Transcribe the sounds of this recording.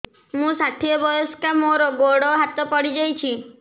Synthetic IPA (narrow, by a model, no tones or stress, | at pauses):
mũsaʈʰiɔbɔjɔskamoɾɔɡoɽɔɦat̪ɔpɔɽid͡ʒajt͡ʃʰi